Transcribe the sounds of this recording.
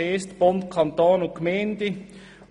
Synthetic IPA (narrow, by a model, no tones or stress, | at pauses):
eːst̪b̥ontkʰɑnt̪oːnʊkmɛɪnd̥̪ə